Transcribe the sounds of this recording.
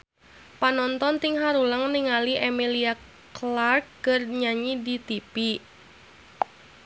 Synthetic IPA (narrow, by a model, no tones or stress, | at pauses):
panɔnt̪ɔnt̪iŋɦaɾulaŋniŋaliʔɛmilia | klarkːɨrɲaɲidit̪ipi